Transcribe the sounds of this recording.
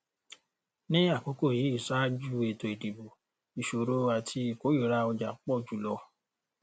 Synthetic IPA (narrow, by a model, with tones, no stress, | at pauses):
nĩ˦a˦˨k͡po˨˦ko˦˨ji˨˦i˦˨sa˦d͡ʒu˦e˨to˨e˨di˨bo˨ | i˨ʃo˨ɾo˧a˨tʰi˧˨ko˦i˦˨ɾa˧˦ɔ˧d͡ʒa˨k͡pɔ˦˨d͡ʒu˨˦˨lɔ˧